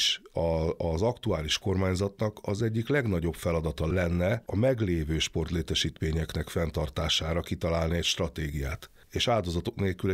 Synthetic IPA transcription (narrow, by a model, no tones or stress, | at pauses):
ʃɒɒzɒkt̪uaːliʃko̞rmaːɲzɒt̪nɒkɒzɛɟːiklɛɡnɒɟo̞pfɛlɒd̪ɒt̪ɒlɛnːɛɒmɛɡleːvøːʃpo̞rt̪leːt̪ɛʃiːt̪meːɲɛknɛkfɛnt̪ɒrt̪aːʃaːɾɒkit̪ɒlaːlniɛcʃt̪rɒt̪eːɡija̰ːt̪ | eːʃaːld̪o̞zɒt̪o̞kneːlkyl